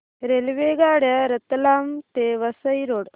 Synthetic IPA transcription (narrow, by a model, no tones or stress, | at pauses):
ɾelʋeːɡaːɽjɐɾɐt̪laːmt̪eʋɐsəjɾoːɽ